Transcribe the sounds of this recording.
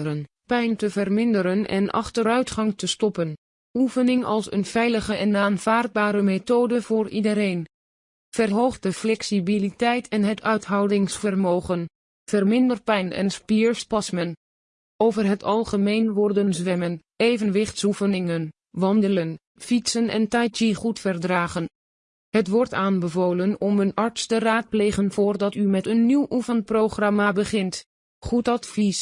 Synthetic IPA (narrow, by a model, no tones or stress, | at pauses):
ən | pɛjntəvərmɪndəɾənɛ̰nʔɑ̰χtəɾœɥtχɑŋtəstɔpən | ufənɪŋɑ̰lˠsə̰nv̥ɛjləχəʔɛnaːnv̥aːrd̚baːɾəmetoːdəvʊːɹidəɾejn | v̥ərɦowχ̚dəflɛksibilitɛjtʰɛnɦətʰœɥtɦɑwdɪŋsfərmoːχən | v̥ərmɪndərpɛjnɛ̰nspiɹspɑsmən | ʔowvərɦətʰɑlˠχəmejnʋɔrdənzʋɛmən | ejvənʋɪχtsufənɪŋən | ʋɑndələn | fitsənɛ̰ntɑjtiχutfərdraːχən | hətʋɔɹtaːnbəvoːlənɔmənɑɹtstəraːt̚plejχənvʊːrdɑtymɛtənːiwʔufənt̚prowχrɑmabəχɪnt | χutɑtfis